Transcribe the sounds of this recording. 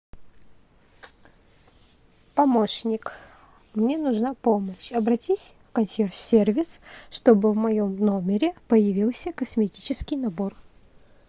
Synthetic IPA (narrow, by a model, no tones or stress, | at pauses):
pɐmoʂnʲɪk | mnʲenʊʐnapoməɕɐbɾɐtʲisʲfkɐnsʲersʲervʲɪsʂt̪obɨvmɐjo̞mnomʲɪɾʲɪpəjɪvʲilˠsʲəkəsmʲɪtʲit͡ɕɪskʲɪjnɐbo̞r